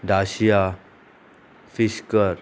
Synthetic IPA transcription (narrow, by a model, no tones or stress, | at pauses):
dasia | fiskə